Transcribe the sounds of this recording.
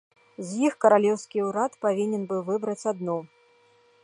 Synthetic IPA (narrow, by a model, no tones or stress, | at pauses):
zʲjixkɐɾalʲɛwskʲiuɾat̪pavʲinʲɛnbɨvɨbɾɐt͡sʲad̪nɔ